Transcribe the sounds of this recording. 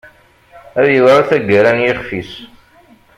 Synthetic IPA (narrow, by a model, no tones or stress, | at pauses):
æðjəðˤɾˤaθæɡəɾanjɪχfis